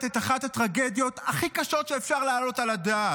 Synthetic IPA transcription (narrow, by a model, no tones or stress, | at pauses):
tetaχatatʁaɡe̞d̪jo̞taχikaʃo̞tʃeːfʃaʁlaːlo̞talad̪aː